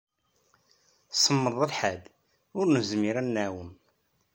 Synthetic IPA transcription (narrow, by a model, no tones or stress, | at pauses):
səmːəɾðˤəlħæd̪ | ʊɾnəzmiɾænːæwəm